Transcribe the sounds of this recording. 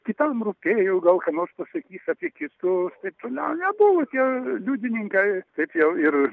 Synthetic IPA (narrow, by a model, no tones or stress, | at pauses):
kʲɪt̪ɐmrupʲeːjɛɡɐlˠkɐnoːrspɐsɐkʲiːsʲɐpʲiɛkʲɪt̪ust̪ɐɪp̚t̪oːnʲɛʊnʲɛbʊʋot̪ʲiɛlʲuːd̪ʲɪnʲɪŋkɐɪt̪ɐɪpjɛʊɪr